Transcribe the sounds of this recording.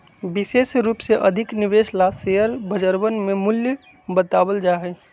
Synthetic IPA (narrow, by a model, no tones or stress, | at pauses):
bɪseːsɾuːpseʔɐd̪ʱɪknɪʋeːʃlaseɦəɾbʱəd͡ʒəɾbənmẽmʊljə | bət̪aːwəld͡ʒaːɦɛː